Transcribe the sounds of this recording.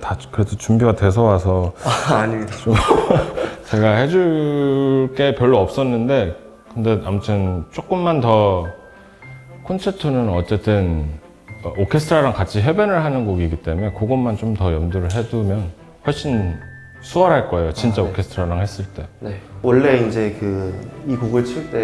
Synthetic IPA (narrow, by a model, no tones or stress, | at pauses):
takɯɾedʰot͡ɕumbiɡatwe̞s̬ʰʌwasʰʌaɲida | t͡ɕe̞ɡahe̞d͡ʑuɭ | ɭk͈e̞pjʌɭːoʌp̚s͈ʌnːɯnde̞ | kɯnde̞amutʰɯnt͡ɕ͈ok͈ɯmːantʌ | kʰonsʰetʰunɯnʌt͡ɕ͈e̞t͈ɯn | ʌʔokʰesʰtʰɾaɾaŋkat͡ɕʰiɦebenɯɭɦanɯnɡoɡiɡit͈e̞muekoɡonːant͡ɕomtʌjʌmduɾɯɭɦe̞dumjʌn | ɸwʌɭɕ͈in | sʰuʌɾɦaɭk͈ʌe̞jot͡ɕint͡ɕ͈aokʰe̞sʰtʰɾaɾaŋɦe̞s͈ɯɭt͈e̞nwʌɭːe̞ind͡ʑe̞kɯikoɡɯɭt͡ɕʰiɭt͈e̞